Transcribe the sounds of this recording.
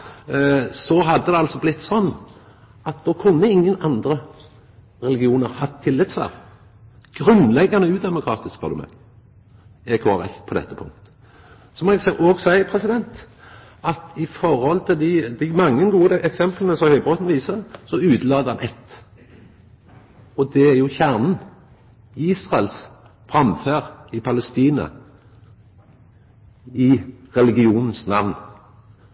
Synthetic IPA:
sɔɦɑd̪ːəd̪ɛɑlsɔblɪt̪ːsɔnː | ɑt̪̚d̪ɔːkʰʉnːəɪŋːənɑnd̪ɾə | ɾɛlɪɡɪuːnəɾhɑt̪ʰːɪlːɪt̪sfɑ̰ːʁ | ɡ̥ɾʉnlɛɡːɑnəʉːd̪ɛmʊkʰɾɑːt̪ɪskpʰɑ̰d̪ʊmɛ̰n | ɛkʰʊɑʁɛ̰kt̪pʰɔd̪ɛ̰t̪ːəpʰʊ̰ŋkt̪ | sɔmɔsɛoːɡsæɪəpʰʁɛsɪd̪ɛnt̪ | ɑt̪ɪfɔɾhɔlt̪ʰɪd̪ɪd̪ɪmɑŋːənɡuːəɛksɛmplənəsɔmhœʏbʁoːt̪n̩ʋiːsəsɔʉːd̪lɑːd̪əhɑnʔɛt̪ː | ɔd̪ɛæjʊçæʁnn̩ | iːsʁɑɛls | fʁɑmføːʁɪpʰɑləst̪iːnɑ̰ | ɪʁɛlɪɡɪuːnn̩snɑʋn

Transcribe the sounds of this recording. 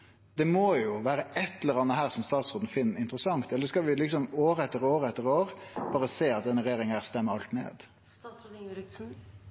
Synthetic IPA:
d̪ɛmoːjʊʋæːɾəɛt̪ːɛləɾɑnːəɦæːɾsɔmst̪ɑːt̪sʁoːd̪n̩fɪnːɪnt̪ɾəsɑŋt̪ɛlːəskɑlʋɪlɪksɔmoːɾəɛt̪ːəɾoːɾəɛt̪ːəʁoːʁb̥ɑːʁəseːɑt̪̚d̪ɛnːəɾjeːɾɪŋæːʁst̪ɛmːəɾɑlt̪nḛːd̪

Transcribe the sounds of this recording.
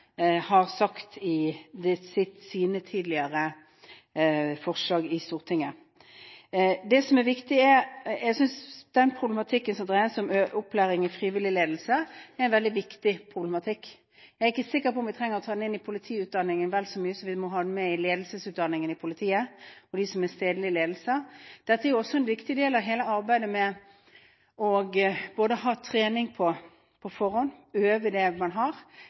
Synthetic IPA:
hɑʁsɑkt̪ɪd̪ɛsɪt̪siːnət̪ʰiːd̪lɪəɾə | fɔʁʂlɑːɡɪst̪uːʁt̪ʰɪŋːə | d̪ɛsɔmɛɾʋɪkt̪ɪɛjɛɡsʏnsd̪̥ɛnpʰʁʊblɛmɑt̪ʰɪkːənsɔmd̪ʁæəsɔmøʔʊpʰːlæːɾɪŋɪfʁiːʋɪlɪleːd̪l̩səɛʁɛnʋɛld̪ɪʋɪkt̪ɪpʰʁʊblɛmɑt̪ʰɪkː | jæɾɪkːəsɪkːəpɔmʋɪt̪ʰʁɛŋːəɾɔt̪ʰɑːd̪nɪnːɪpʰʊlɪt̪ʰiːʉːt̪̚d̪ɑnːɪŋənʋɛlsɔmyːəsɔmʋɪmɔɦɑːd̪mɛɪleːd̪l̩səsʉːt̪̚d̪ɑnːɪŋənɪpʰʊlɪt̪ʰiːəɔd̪isɔmɛst̪eːd̪əlɪleːd̪l̩səd̪̥ɛt̪ːəɛɾjʊɔsːɔɛnʋɪkt̪ɪd̪eːlɑʋɦeːləɑɾbæɪd̪əmɛ | ɔɡb̥oːd̪əhɑːt̪ʰʁeːnɪŋpʰɔ | pʰɔfɔɾhɔnøːʋəd̪ɛmɑnɦɑɾ

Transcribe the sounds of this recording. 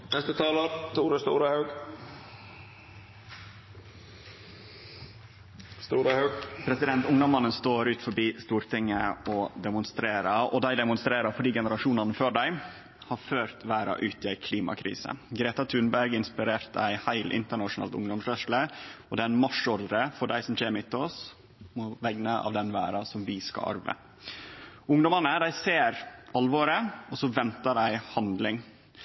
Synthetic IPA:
nɛst̪ət̪ʰɑːləɾt̪ʰuːɾəst̪ṵːɾəhɑʉɡ | st̪uːɾəhɑʉɡpʰɾɛsɪd̪ɛnt̪ʊŋd̪ɔmːɑnːənst̪oːɾʉːt̪fɔbiːst̪uːɾt̪ʰɪŋːəɔd̪ɛmʊnst̪ɾeːɾəʔɔ̰d̪æɪd̪ɛmʊnst̪ɾeːɾəɾfɔɖiːɡɛnəɾɑʂuːnɑnəføːɖæɪ | hɑːɾføːɾt̪ʰʋæːɾɑ̰ʔʉːt̪ɪæɪkʰliːmɑ̰kʰɾḭːsə̰ɡɾeːt̪ɑt̪ʰʉnbæɾɡɪnspɪɾeːɾt̪æɪhæɪlʔɪ̰nt̪əɳɑʂʊnɑ̰ːlt̪ʊ̰ŋd̪ɔmsɾœʂləɔd̪ɛːæɪnmɑʂɔɾd̪ɾəfɔɖæɪsɔmd͡ʒɛːmɪt̪ːɔs | mʊʋɛɡnəʔɑ̰ːʋd̪ɛnʋæːɾɑsɔmʋɪskɑ̰ʔɑ̰ɾʋə̰ | ʊŋd̪ɔmɑnəd̪æɪseːɾɑlʋɔːɾəɔsɔʋɛnt̪ɑɖæɪhɑnd̪lɪŋ

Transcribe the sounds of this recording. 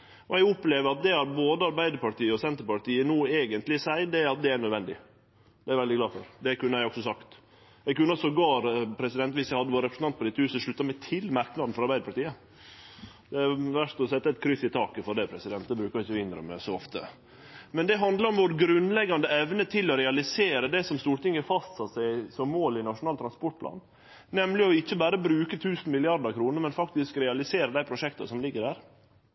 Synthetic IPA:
ɔɛɡʊpleːʋəɾɑt̪̚d̪ɛhɑɾboːd̪əɑɾbæɪd̪əɾpɑʈiːəɔsɛnt̪əɾpɑʈiːənuːeːɡənt̪lɪsæɪd̪ɛɑt̪̚d̪ɛæɳœd̪ʋɛnd̪ɪ̰ | d̪̥ɛæɾʋɛld̪ɪɡlɑːfɔ̰ɾd̪ɛkʉnːəæɪɔksɔsɑkt̪ | ɛɡkʉnːəɔsɔɡɑːɾpʰɾɛsɪd̪ɛnt̪ʋɪsæɪhɑd̪əʋoːɾɛpɾəsn̩ɑnt̪pɔd̪ɪt̪ːəhʉːsəʂɭʉt̪ːɑmæɪt̪ʰɪlmɑɾknɑd̪n̩fɔɾɑɾbæɪd̪əpɑʈiːə | d̪ɛæʋæʂt̪ɔsɛt̪ːəɛt̪̚kʰɾʏsɪt̪ʰɑːkəfɔɾɖɛpʰɾɛsɪd̪ɛnt̪̚d̪ɛbɾʉːkɑɾɪçəʋɪnd̪ɾə̰mɛ̰soɔft̪ə̰ | mɛnd̪ɛɦɑnd̪ləɾɔmʋoːɾɡɾʉnlɛɡːɑnd̪əɛʋnət̪ʰɪlːɔɾɛɑlɪseːɾəd̪ɛsɔmst̪uːɾʈɪŋəfɑst̪sɑt̪sæɪsɔmːoːlɪnɑʂʊnɑːlt̪ɾɑnspɔʈ̚pʰlɑ̰ːn | nɛmlɪɔɪçːəbæːɾəbɾʉːkət̪ʰʉːsn̩mɪlɪɑɾɖ̪əkʰɾuːnəɾmɛnfɑkt̪ɪskɾɛɑlɪseːɾəd̪æɪpʰɾʊʂɛkt̪ɑ̰sɔmlɪɡːəɖæːɾ

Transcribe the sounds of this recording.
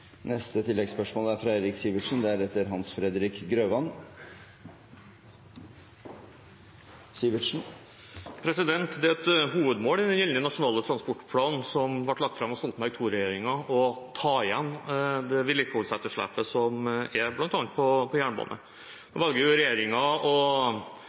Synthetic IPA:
nɛst̪ət̪ʰɪlːɛɡspœʂmoːləæɾfɾɑɛd̪ɾɪksiːʋɪʈʂn̩d̪ɛæɾɛt̪ːəɾɦɑnsfɾɛd̪ɾɪkɡɾøːʋɑn | siʋɪʂn̩ | pʰɾɛsɪd̪ɛnt̪d̪ɛæɛt̪ɦuːʋəd̪moːlɪɛnjɛlənənɑʂʊnɑːlət̪ʰɾɑnspɔʈːpʰlɑːnn̩sɔmʋɑʈlɑk̚t̪fɾɑmɔsɔlt̪mæɡt̪ʰuːɾɛjeːɾɪŋɑɔt̪ʰɑːɪjɛnːd̪ɛʋɪlːɪkəʊlsæt̪ːəʂɭæ̰ːpəsɔmæɾblɑnt̪ɑːnt̪pʰɔpʰɔjæːɳəbɑ̰ːnʔə̰ | d̪̥ɔʋɑlɡəɾjʊɾɛjeːɾɪŋɑɔ

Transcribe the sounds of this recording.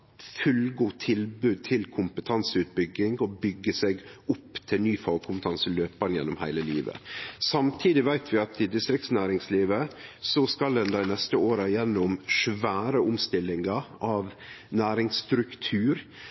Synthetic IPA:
fʉlɡuːt̪ʰɪlbʉːd̪̚t̪ʰɪlkʰʊmpət̪ʰɑnsəʉːt̪̚bʏɡːɪŋɔbʏɡːəsɛɡʊpːt̪ʰɪlnyːfɑkʰʊmpət̪ʰɑnsəløːpɑnjɛ̰nːɔmhæɪləliːʋə̰sɑmt̪ʰiːd̪ɪʋæɪt̪ʰʋɪɑt̪ɪd̪ɪst̪ɾɪk̚t̪snæːɾɪŋsliːʋəsɔskɑld̪ɛnd̪æɪnɛst̪əoːɾɑjɛnːʊmʂʋæːɾəʊmst̪ɪlːɪŋɑɑʋnæːɾɪŋst̪ɾʉkt̪ʰʉːɾ

